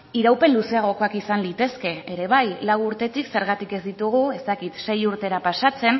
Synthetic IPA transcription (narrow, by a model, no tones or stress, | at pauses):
iɾawpe̞nluse̞aɣ̞o̞ko̞akisanlit̪e̞ske̞eɾe̞βajlawuɾt̪e̞t̪ikse̞ɾɣat̪ike̞zd̪it̪uɣ̞ue̞st̪akit̪se̞juɾt̪e̞ɾapasat͡se̞n